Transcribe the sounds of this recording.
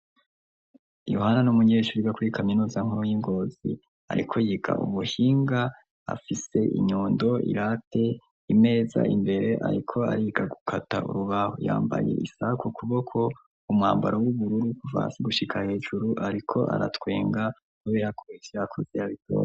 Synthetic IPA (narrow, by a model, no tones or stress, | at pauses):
johananumuɲeʃuɾiɡakuɾikʰaminuːzaŋhuɾojiŋɡo̞ːzḭ | a̰ɾikʰo̞jiɡa̰ʔṵβuhiːŋɡa | a̰fise̞ʔḭɲuːndo̞ḭɾatʰe̞ | ime̞ːza̰ʔimbe̞ɾe̞ʔa̰ɾikʰo̞aɾiːɡaɡukʰata̰ṵɾuβaho̰ja̰ːmba̰je̞̰ʔisakʰukuβokʰo̞ | umŋaːmbaɾowuβuɾuɾikuva̰ːnsiɡuʃikʰahe̞ːʒuɾuʔaɾikʰo̞ʔa̰ɾatwe̞̰ːŋɡa | kuβe̞ːɾakʰoivjakʰoz̥ijaβitʰo̰ː